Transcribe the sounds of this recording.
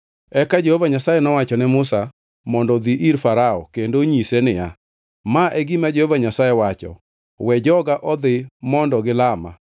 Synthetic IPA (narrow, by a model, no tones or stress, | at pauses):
ɛkad͡ʒehovaɲasajɛnɔwat͡ʃɔnɛmʊsa | mɔndɔd̪iʔiɾfaɾaɔ̰kendoɲisenɪja | maʔeɡimad͡ʒehovaɲasajewat͡ʃɔ̰ | wɛd͡ʒɔɡaʔɔd̪ɪmɔndɔɡɪlama̰